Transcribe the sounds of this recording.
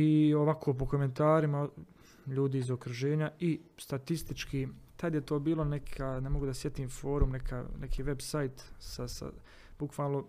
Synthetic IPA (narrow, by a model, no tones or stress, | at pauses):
ioʋakʰoːp̬o̞ko̞me̞nt̪aːɾima | ʎuːd̪iːzo̞kɾuʒe̞ːɲaist̪at̪ist̪it͡ʃkit̪ad̪jet̪o̞ːbiːlonekʰanemoɡud̪asje̞t̪iːmfo̞ːɾumnekʰa̰nekʰiːʋe̞bsajt̪sasa̰ | b̥ukʋaːlˠno̞